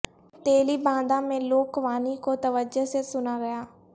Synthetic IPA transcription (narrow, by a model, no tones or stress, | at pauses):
t̪eːliːbãːnd̪ãːmẽːloːkʋaːniːkoːt̪əʋəd͡ʒəseːsʊnaːɡəjaː